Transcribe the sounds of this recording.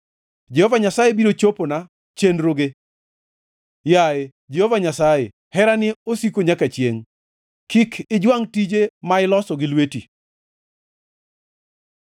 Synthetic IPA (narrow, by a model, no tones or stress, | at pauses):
d͡ʒɛhɔvaɲasajebiɾot͡ʃopona | t͡ʃenɾoɡe | jae | d͡ʒehɔvaɲasaje | hɛɾanɪosikoɲakat͡ʃjeŋ | kikʰɪd͡ʒwaŋtid͡ʒemaɪlɔsɔɡɪlwetḭ